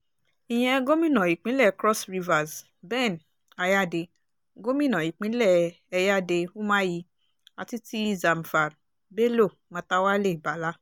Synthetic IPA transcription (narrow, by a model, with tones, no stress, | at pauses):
i˨j̃ɛ̃˧ɡo˦mĩ˦nã˨i˨k͡pĩ˨˦lɛ˦˨kɾɔ˦sɾi˧va˨z | bɛ̃˦˨n | a˧ja˦˨de˧ | ɡo˦mĩ˦˨nã˨i˨k͡pĩ˨˦lɛ˦˨ | ɛ˧ja˦de˧u˦mã˦ji˧ | a˧ti˦ti˦za˨m˨fa˨ɾ | be˦lo˦˨mã˧˦ta˧wa˦le˦˨i˨ba˨˦la˦